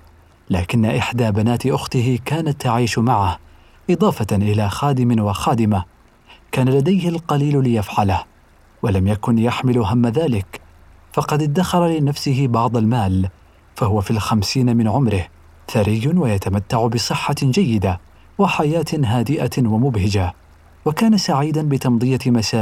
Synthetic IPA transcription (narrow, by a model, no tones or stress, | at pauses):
laːkɪnːaʔɪħd̪aːbanaːt̪ɪʔʊxt̪ɪɦɪkaːnat̪ːaʕiːʃmaʕah | ʔɨd̪ˤɑːfɑʔɪlaːxaːd̪ɪmɪnwɑxaːd̪ɪma | kaːnalad̪ajhɪlqɑliːllɪjafʕalah | walamjakʊnjaħmɪlʊɦamːaðaːlɪk | fɑqɑd̪ɪd̪ːaxɑɾˤɑlɪnafsɪɦɪbɑʕd̪ˤɑlmaːl | fahʊwafiːlxamsiːnamɪnʕʊmɾɪh | θaɾɪjːʊnwajat̪amat̪ːaʕʊbɪsˤɨħːad͡ʒajːɪd̪a | waħajaːt̪ɦaːd̪ɪʔawamʊbhɪd͡ʒa | wakaːnasaʕiːd̪anbɪt̪ɑmd̪ˤɨjamasaː